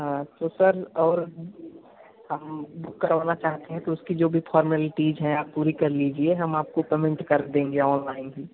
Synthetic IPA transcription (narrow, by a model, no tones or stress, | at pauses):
ɦãt̪osɐɾɔːɾ | hɐmbʊkːɐɾʋaːnat͡ʃaːɦt̪eɦɛ̃t̪oʊskid͡ʒoːbʱifʰɔːɾməlʈiːd͡ʒɦɛ̃aːpːuːɾikɐɾliːd͡ʒieɦɐmaːp̚kopeːmɪ̃ɳʈkɐɾd̪ẽːŋɡeɔːnlaːɪ̃nkiː